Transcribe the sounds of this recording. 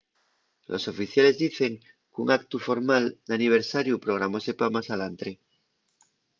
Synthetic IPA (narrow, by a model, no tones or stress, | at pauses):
lʔo̞̰so̞fiθjale̞zðiθe̞ŋ | kuŋak̚t̪ufo̞ɾmald̪aniβ̞e̞ɾsaɾjupɾo̞ɣ̞ɾamo̞sepamasalant̪ɾe